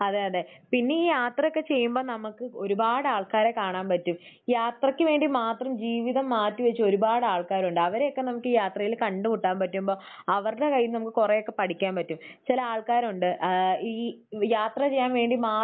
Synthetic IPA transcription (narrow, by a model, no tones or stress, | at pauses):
ɐðeɐðeːpinːe̞iːjaːt̪rɐjo̞kːe̞t͡ɕe̞jːumbo̞ːnɐmukːɨo̞ɾubaːɽɨaːɭkaːɾe̞kaːɳaːnpɐtːum | jaːt̪rɐkʲːɨʋe̞ːɳɖimaːt̪rɐmd͡ʑiːʋiðɐmːaːtːuʋɐt͡ɕːɨo̞ɾubaːɽɨaːɭkaːɾuɳɖɨɐʋɐɾeo̞kːe̞nɐmukʲːɨjaːt̪rɐjilkɐɳɖɨkuʈːaːnpɐtːumbo̞ː | ɐʋɐrɨɽekɐjːimnɐmukːɨkureo̞kːe̞pɐʈʰikʲːaːmpɐtːumt͡ɕilɐaːɭkaːɾuɳɖɨiːjaːt̪rɐt͡ɕe̞jːaːnʋe̞ːɳɖimaː